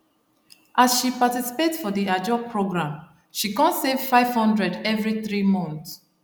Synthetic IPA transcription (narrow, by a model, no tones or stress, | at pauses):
ʔasʃipatisi̥petfɔðiad͡ʒɔpʰɹoɡɹãm | ʃikãnsev̥faɪv̥hɔ̃ndɹɛdɛvɹiθɹimɔ̃nθs